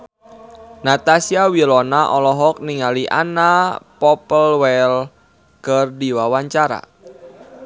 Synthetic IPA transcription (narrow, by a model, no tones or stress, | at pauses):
nat̪asiawilɔnaʔɔlɔɦɔk̚niŋaliʔa̰napɔpəlwɛl | kərdiwawaɲt͡ʃaɾa̰